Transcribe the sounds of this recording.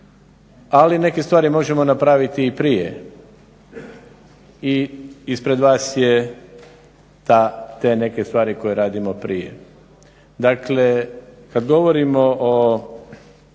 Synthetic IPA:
aline̞kest̪ʋaːɾimo̞ʒe̞mo̞napɾaʋit̪iːpɾijḛ | iispɾe̞d̪ʋaːsje | t̪aːt̪e̞ne̞ke̞st̪ʋaːɾiko̞jeɾaːd̪imo̞pɾijḛ | d̪akle̞kad̪ɡo̞ʋoɾimo̞ʔo

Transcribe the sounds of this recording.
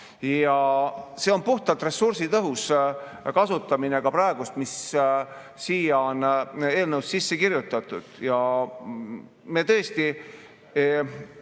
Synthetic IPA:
jɑse̞o̞npuht̪ɑlt̪re̞sursit̪ɤɦus | kɑsut̪ːˑɑmine̞kɑprɑeɡ̥ust̪mis | siːjɑone̞ːlnəwssisːe̞kiɾjut̪ˑːɑt̪ːˑud̪̥jɑ | me̞t̪ɤ̞est̪i

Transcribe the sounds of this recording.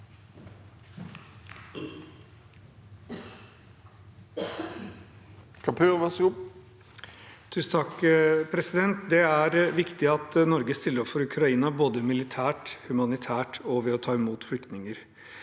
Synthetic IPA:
kʰɑpʰøːʋɑsɡʊ | t̪ʰʉːsn̩t̪ʰɑkpʰɾɛsɪd̪ɛnt̪d̪ɛæɾʋɪkt̪ɪɑt̪nɔɾɡəst̪ɪlːəɾɔpfɔɾʉkʰɾɑiːnɑboːd̪əmɪlɪt̪ʰæːʈhʉmɑnɪt̪ʰæːʈɔʋɛɔt̪ʰɑːɪmuːt̪flʏkt̪nɪŋəɾ

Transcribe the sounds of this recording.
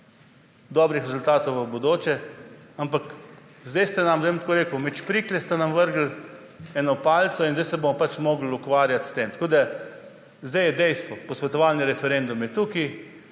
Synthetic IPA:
d̪ɔːbɾixɾɛzult̪aːt̪owʋabod̪oːt͡ʃɛampak | zd̪ejst̪ɛnamʋemt̪koːɾeːkəwmɛt͡ʃpɾiːklɛst̪anamʋəɾɡl̩ | ɛnɔpaːlt̪sɔinzd̪ajsɛbomɔpat͡ʃmoːɡl̩ukʋaːɾjat̪st̪eːmt̪ḁkoːd̪a | zd̪ajɛd̪ɛjst̪ʋɔpɔsʋɛt̪ɔʋaːlnjɛɾɛfɛɾend̪umjɛt̪uki

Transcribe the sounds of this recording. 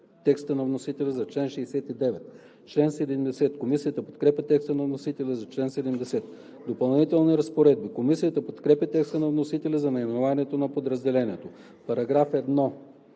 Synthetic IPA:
t̪ɛkst̪ənɐvnosit̪ɛlʲɛzɐt͡ʃlɛnʃɛːsɛt̪id̪ɛvɛt̪ | t͡ʃlɛnsɛd̪ɛmd̪ɛsɛt̪komisiət̪əpot̪kɾɛpʲɐt̪ɛkst̪ənɐvnosit̪ɛlʲɛzɐt͡ʃlɛnsɛd̪ɛmd̪ɛsɛt̪ | d̪opɐlˠnit̪ɛlˠniɾɐspoɾɛd̪̚bikomisijət̪əpot̪kɾɛpʲɐt̪ɛkst̪ənɐvnosit̪ɛlʲɛzɐnɐimɛnovaniɛt̪onɐpod̪ɾɐzd̪ɛlɛniɛt̪o | pɐɾɐɡɾafɛd̪nɔ

